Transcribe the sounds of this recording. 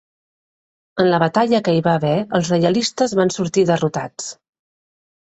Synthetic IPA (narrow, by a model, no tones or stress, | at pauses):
ənləβət̪aʎəkəiβaβɛəlˠzrəjəlist̪əzβansuɾt̪iðərut̪at͡s